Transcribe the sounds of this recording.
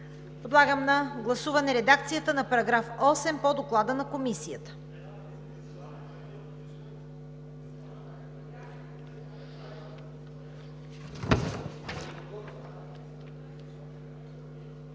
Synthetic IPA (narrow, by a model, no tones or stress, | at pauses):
pod̪lˠaɡəmnɐɡlˠɐsuvɐnɛɾɛd̪ak̚t̪sijət̪ənɐpɐɾɐɡɾafɔsɛmpod̪oklˠad̪ənɐkomisijət̪ə̥